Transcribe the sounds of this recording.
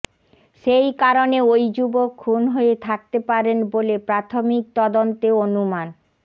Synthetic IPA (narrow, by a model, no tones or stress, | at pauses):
ʃejkaɾoneojd͡ʑubokʰːunɦoet̪ʰak̚t̪epaɾenbolepɾat̪ʰomik̚t̪ɔd̪ont̪eonuman